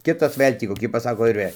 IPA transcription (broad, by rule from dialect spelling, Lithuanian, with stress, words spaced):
ˈkʲɪtɐs ˈʋɘlʲ tʲiː koːˈkʲiː ˈpɑːsɐkoː ɪr ˈʋɘlʲ